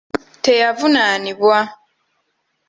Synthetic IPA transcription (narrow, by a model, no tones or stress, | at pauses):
te̞javunaniβwa